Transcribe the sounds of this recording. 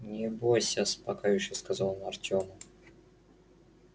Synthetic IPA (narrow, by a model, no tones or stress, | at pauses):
nʲɪbosʲaspɐkajʊɕɪskazalˠnɐrtʲomə